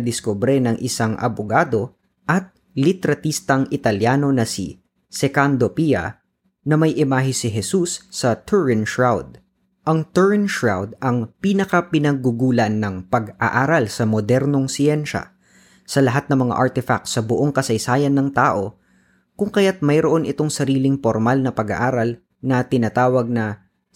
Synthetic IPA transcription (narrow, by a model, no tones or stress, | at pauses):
d̪ɪskobɾɛnɐŋʔɪsaŋʔɐ̰boɡaːd̪o̞ | ʔɐt̪̚ | lɪt̪ɛɾɐt̪ist̪ɐŋʔɪt̪ɐljaːno̞nɐsḭ | sɛkand̪opiɐ̰ | nɐmɐjʔɪmaːɦɪsɪɦɛsusːɐt̪ʰuɹɛnʃɹawd̪̚ | ʔɐŋt̪ɛɹnʃɹawd̪ɐŋpinɐkɐpɪnɐɡ̚ːuɡulanːɐŋpɐɡʔaʔaːɾalsɐmod̪ɛɾno̞ŋsɪɛnʃɐ̰ | sɐlɐɦat̪̚nɐŋmɐŋa̰ʔaɹt̪ɛfa̰k̚t̪sɐboʔo̞ŋkɐsɐjsaːjɐnːɐŋt̪aːʔo̞ | kʊŋkɐjat̪̚mɐjɾoʔo̞nɪt̪o̞ŋsɐɾiːlɪŋpoɾmalnɐpɐɡa̰ʔaːɾɐl | nɐt̪ɪnat̪aːwɐɡ̚nɐ